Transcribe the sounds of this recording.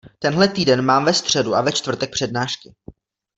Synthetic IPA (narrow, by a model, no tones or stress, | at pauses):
t̪ɛnɦlɛt̪iːdɛnmaːmvɛst̪r̝̥ɛduʔavɛt͡ʃt̪vr̩t̪ɛk̚pr̥ɛd̚naːʃkɪ